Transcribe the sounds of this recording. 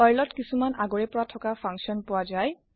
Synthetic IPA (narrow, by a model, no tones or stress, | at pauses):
ajlɔtkisumanaɡɔɹɛpɔɹatʰɔkapʰaŋksiɔnpʊwazaj